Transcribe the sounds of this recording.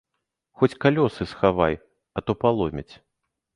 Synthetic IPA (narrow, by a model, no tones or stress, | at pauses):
xɔt͡sʲkalʲɔsɨsxavaj | ɐt̪ɔpalˠɔmʲɐt͡sʲ